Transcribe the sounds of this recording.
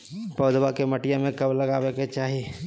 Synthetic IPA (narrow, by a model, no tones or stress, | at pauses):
pɐːd̪wakemɐʈijãmẽkɐblɐɡaːweket͡ʃaːɦie